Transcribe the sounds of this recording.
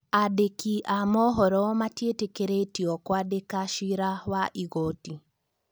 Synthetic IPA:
adekiʔamɔɦɔɾɔmatjetekeɾetiɔkwadekaʃiɾawaʔiɣoti

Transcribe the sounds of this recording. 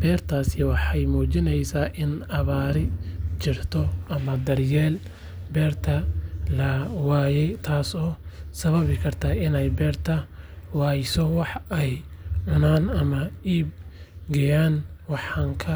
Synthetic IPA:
b̥ɛːrt̪ʰaːsɪwɑħɑjmuːt͡ʃɪnɛjsaːʔɪnɐβaːɾɪt͡ʃɪrt̪ʰɔʔɐmɐd̪ɐrjɛːl | bɛːrt̪ʰɐlɐwaːjɛjt̪ʰaːsɔːsɐβɐβɪkʰɐrt̪ʰaːɪnɛjbɛːrt̪ʰɐwɑːjsɔwɑħɛjʕʊnaːnɐmɐiːb̚ɡɐjaːnwɑħɑːŋkʰɐ

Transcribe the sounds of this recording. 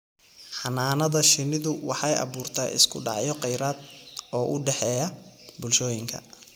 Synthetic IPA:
ħɑnaːnɐðɐʃɪnɪðʊwɑħɑjʔɑ̰βuːrt̪ʰaːʔɪ̰skʰʊɖɑ̰ʕjɔqɛjɾaːd̪ɔːʔʊɖɛħɛːjɐbʊlʃɔːjɪŋkʰɐ̰

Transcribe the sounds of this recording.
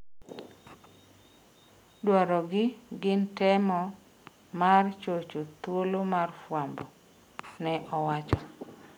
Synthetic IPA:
dwaɾɔɡɪɡɪntɛmɔ | mart͡ʃot͡ʃot̪wolomarfwambɔ | nɛʔɔwat͡ʃɔ

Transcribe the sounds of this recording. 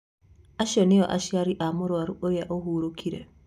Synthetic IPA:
aʃɔnɪɔʔa̰ʃiaɾiʔamʊɾoaɾuʔojaʔohuɾokʰiɾɛ̰

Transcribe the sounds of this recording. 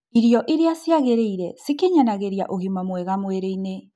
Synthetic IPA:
iɾjɔʔiɾeasiaɣeɾeiɾɛsikeɲanaɣeɾia̰ʔoɣimamwɛɣamweɾeine

